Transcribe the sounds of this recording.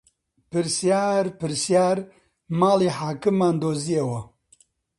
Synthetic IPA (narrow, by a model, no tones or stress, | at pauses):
pɨɾsjaːɾpɨɾsijaːɾ | maːleːħaːkɨmːaːnd̪oːzijewɐ